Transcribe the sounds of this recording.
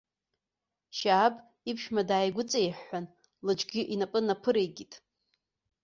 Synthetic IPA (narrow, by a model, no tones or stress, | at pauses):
ʃaːpʼ | ipʰʃmadaːjɡʷʊt͡sʼejħːan | lɨd͡ʒʼɡʲɪʔinapʼɨnapʰɨɾejɡʲitʼ